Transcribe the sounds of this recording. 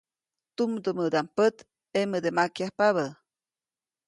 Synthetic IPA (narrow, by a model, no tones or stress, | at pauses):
t̪umd̪əməd̪ampət̪ | eməd̪emakjahpaβə